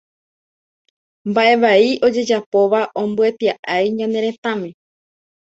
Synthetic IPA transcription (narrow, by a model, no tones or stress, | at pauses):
mbaʔe̞ʋaiʔo̞d͡ʒe̞d͡ʒapoʋaʔõmbue̞t̪iaʔajɲãne̞ɾẽ̞t̪ãmẽ̞